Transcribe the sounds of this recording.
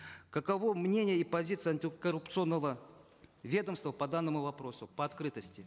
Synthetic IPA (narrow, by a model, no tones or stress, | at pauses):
kəkɐvomnʲenʲɪjəipɐzʲit̪sɨjɐnʲtʲɪkərʊpt̪sɨo̞nːəvə | vʲe̞d̪əmst̪vəpɐd̪anːəmʊvɐpɾo̞sʊpəɐt̪kɾɨt̪əsʲtʲɪ